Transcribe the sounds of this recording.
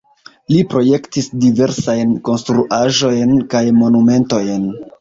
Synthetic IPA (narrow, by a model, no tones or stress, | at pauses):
lipɾo̞je̞ktisdive̞ɾsajnko̞nstɾuʔaʒo̞jnkajmo̞nume̞nto̞jn